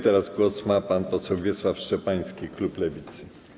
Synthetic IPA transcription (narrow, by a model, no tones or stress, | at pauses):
t̪ɛɾazɡwɔsmapanpɔsɛwvʲjɛswafʂt͡ʂɛpaj̃skʲikluplɛvʲit̪sɘ